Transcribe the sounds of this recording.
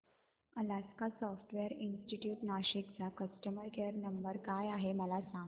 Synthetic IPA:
əlaskasɔfʈʋeəɾinsʈiʈjuːʈnaɕik̚t͡sakəsʈəməɾkeəɾnəmbəɾkajaɦeməlasaŋɡ

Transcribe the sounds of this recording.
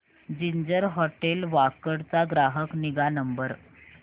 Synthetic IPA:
d͡ʑiɲd͡ʑəɾɦɔʈelʋakəɽt͡saɡɾaɦəkniɡanəmbəɾ

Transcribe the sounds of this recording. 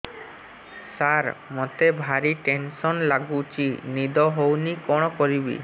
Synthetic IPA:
saɾmot̪ebʱaɾiʈensɔnlaɡut͡ʃʰinid̪ɔɦownikɔɽ̃ɔkɔɾibḭ

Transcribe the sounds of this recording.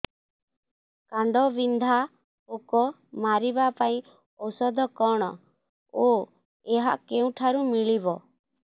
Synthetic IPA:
kaɳɖɔbind̪ʱa | okɔ | maɾibapaĩ | ɔwsɔd̪ʱɔkɔɽ̃ɔ | o | eɦa̰ʔkeũʈʰaɾumiɭibɔ

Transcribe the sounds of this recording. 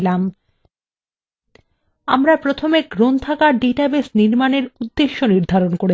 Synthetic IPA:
lam | a̰mɾapɾot̪ʰomeɡɾont̪ʰakaɖeʈabesniɾmaneɾud̪ːeʃːoniɾd̪ʱaɾonkoɾe

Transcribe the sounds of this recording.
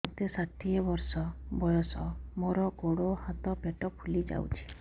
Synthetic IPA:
t̪esat̪ʰiɔbɔɾsɔbɔjɔsɔmoɾɔɡoɽohat̪ɔpeʈɔpʰulid͡ʒa̰w̰t͡ʃʰi̥

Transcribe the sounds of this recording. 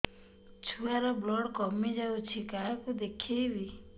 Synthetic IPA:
t͡ʃʰuaɾɔblɔɽkɔmid͡ʒawt͡ʃʰikakud̪ekʰejbi

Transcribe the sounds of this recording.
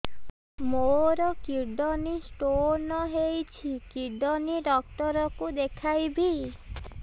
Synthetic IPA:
moɾɔkiɾɖɔnisʈoɾnɔɦejt͡ʃʰikiɖɔniɖɔk̚ʈɔɾɔkud̪ekʰajbi

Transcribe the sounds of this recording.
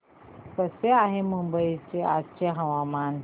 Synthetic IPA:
kəseaɦemumbəit͡ɕea̰t͡ɕeɦəʋaman

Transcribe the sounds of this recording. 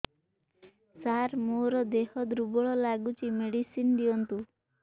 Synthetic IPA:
saɾmoɾɔd̪ehɔd̪ɾubɔɭɔlaɡut͡ʃimeɽisind̪iɔnt̪u

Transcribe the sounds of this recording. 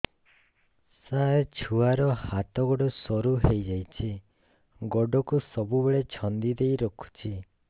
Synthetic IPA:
saet͡ʃʰuaɾɔhat̪ɔɡɔɖɔsɔɾuɦejd͡ʒajt͡ʃʰi | ɡɔɖɔkusɔbubeɭet͡ʃʰɔnd̪id̪ejɾɔkʰu̥t͡ʃʰi

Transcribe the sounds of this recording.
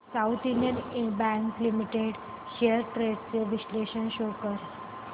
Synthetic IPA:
sawt̪iljənebæ̃ŋklimiʈeɽ | ɕeəɾʈɾeɖt͡seʋisleɕənɕokəɾ

